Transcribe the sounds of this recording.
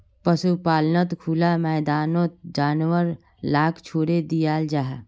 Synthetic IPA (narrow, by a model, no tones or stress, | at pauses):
pəsupaːlnət̪kʰuːlamɛːd̪aːnõt̪d͡ʒaːnwəɾ | laːkt͡ʃʰoːɾed̪ijaːld͡ʒaːɦ